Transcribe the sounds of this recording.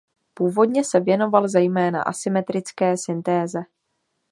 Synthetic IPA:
puːvo̞dɲɛsɛvjɛno̞valzɛjmɛːna̰ʔa̰sɪmɛt̪ɾɪt͡skɛːsɪnt̪ɛːzɛ

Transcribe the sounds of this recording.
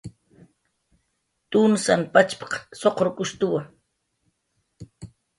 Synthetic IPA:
t̪ʼunsanpat͡ʃpɑ̥qsoqɾʊkʊst̪ʊwaŋ

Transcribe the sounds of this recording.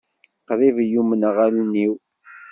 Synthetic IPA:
qðivjumənʁaluniw

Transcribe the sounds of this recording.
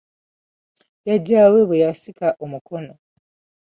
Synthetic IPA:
jaɟaːweβejasikaʔomukono

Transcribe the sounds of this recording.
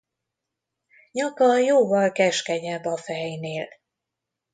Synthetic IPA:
ɲɒkɒjoːvɒlkɛʃkɛɟɛbɒfɛjneːl

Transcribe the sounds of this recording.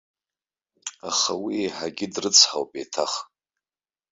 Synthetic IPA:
aχawieħaɡʲɪdrɨt͡sʰħawpʼetʰaχ

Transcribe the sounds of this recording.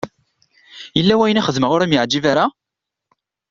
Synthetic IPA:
jəlːæwæjənæχəðməʁʊɾæmjəʕd͡ʒːivaɾa

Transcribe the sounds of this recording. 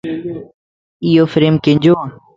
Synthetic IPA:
ijoːfɾeːmkẽɲd͡ʑoːã

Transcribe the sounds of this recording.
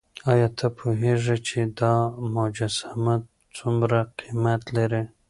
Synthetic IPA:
ɑjɑt̪ʰapʰoɦeʐit͡ʃed̪ɑmʊd͡ʒasamat | t͡sumɾaqimat̪laɾi

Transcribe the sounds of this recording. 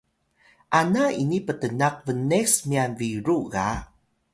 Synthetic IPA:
ʔanainipətənaq̚vənesmianviɾuɣa

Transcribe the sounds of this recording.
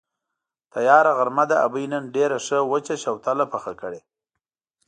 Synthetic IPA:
t̪ajɑːɾaɣaɾmad̪aʔa̰bəjnənɖeɾaʂəwət͡ʃaʃawt̪alapaxakəɽe

